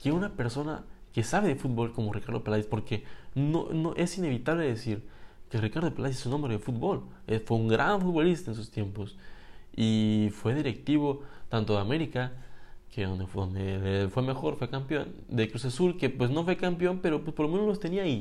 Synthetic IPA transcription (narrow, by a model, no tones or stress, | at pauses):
keunape̞ɾso̞na̰ke̞saβeðefut̪̚bo̞lko̞morikaɾðopelaðjispo̞ɾke̞no̰noʔe̞sine̞βit̪aβleðesiɾkerikaɾðo̞pelaisesunːombɾeðefut̪̚bo̞l | efweuŋɡɾʔa̰nfut̪̚βo̞list̪aens̬ust̪je̞mpo̞sifwe̞ðiɾek̚t̪iβo̞t̪ant̪oðeame̞ɾikakeod̪o̞̰nd̪efwe̞me̞xo̞ɾfwe̞kampjo̞̰nd̪ekɾus̬asulke̞pwe̞sno̞fwe̞kampjo̞npe̞ɾo̞pwespoɾlomenolost̪e̞niai